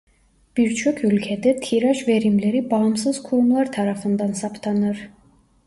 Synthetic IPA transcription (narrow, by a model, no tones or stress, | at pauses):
b̥iɾt͡ʃʰokʰylʲcʰɛd̪ɛt̪ʰiɾaʃveɾimleɾibamsɯzkʰuɾumlˠaɾt̪ʰaɾafɯnd̪ansɑpt̪ʰanɯɾ̥